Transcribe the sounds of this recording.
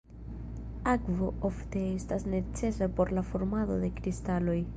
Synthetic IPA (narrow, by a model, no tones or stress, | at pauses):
akvo̞ofte̞estasne̞t͡se̞sapo̞ɾlafoɾmado̞̰d̪e̞kɾistalo̞j